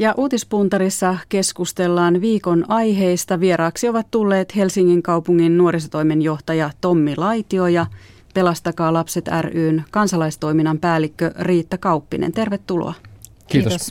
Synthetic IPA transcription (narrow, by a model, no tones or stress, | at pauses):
jɑʔuːt̪ispunt̪ɑɾisːɑke̞skust̪e̞lːɑːnʋiːko̞nɑjɦe̞ijst̪ɑʋie̞ɾɑːksio̞ʋɑt̪t̪ulːe̞ːt̪he̞lsiŋːiŋkɑupuŋːinːuoɾisot̪o̞jmenjo̞ht̪ɑjɑt̪o̞mːilɑjt̪io̞jɑ | pe̞lɑst̪ɑkɑːlɑpse̞t̪æ̰ryːnkɑnsɑlɑist̪o̞iminːɑmpæːlːˑikːøriːt̪ːækɑupːinḛnt̪e̞rʋet̪ːulo̰ɑ | kiːt̪os